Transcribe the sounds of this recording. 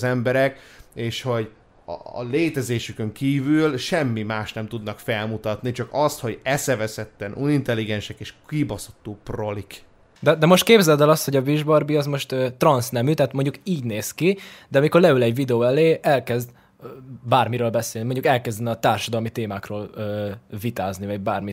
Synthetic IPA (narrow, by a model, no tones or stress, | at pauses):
zɛmbɛɾɛkeːʃho̞ɟ̰ | leːt̪ɛzeːʃykøŋkiːvylʃɛmːimaːʃnɛmt̪ud̪nɒkfɛlmut̪ɒt̪nit͡ʃɒkɒst̪ho̞ɟɛsɛvɛsɛt̪ːɛnʔunint̪ɛlːiɡɛnʃɛkeːʃkibosot̪ːuːprolik | d̪ɛd̪ɛmo̞ʃt̪̚keːbzɛld̪ɛlɒsho̞ɟɒviʒbɒrbiɒzmo̞ʃt̪øːt̪rɒnsnɛmyt̪ɛɦaːt̪mo̞ɲɟukiːɟneːskid̪ɛɒmiko̞rlɛylɛɟvid̪ɛoːɛleːɛlkɛzd̪ | baːrmiɾøːlbɛseːlimo̞ɲɟukɛlkɛzd̪ɛnɒt̪aːrʃɒd̪ɒlmit̪eːmaːkroːløːvit̪aːznivɒɟ̚baːrmi